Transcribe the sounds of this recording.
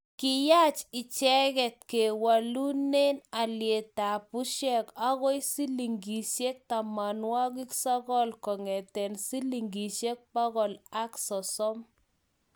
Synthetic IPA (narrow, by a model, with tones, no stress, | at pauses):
kɪ˦ja˦t͡ʃɪ˨t͡ʃɛ˦ɣɛ˨tke˨wa˨lu˦ne˦na˨lje˨ta˨pu˦ʃɛ˦˨ka˦ɣɔ˦i˦si˦li˨ŋɡi˨ʃe˦k̚ta˨ma˨nwa˦ki˦ksɔ˦kɔ˦lkɔ˨ŋɛ˨tɛ˨nsi˦li˨ŋɡi˨ʃe˦k̚ba˦ɣɔ˨la˦ksɔ˨sɔ˦m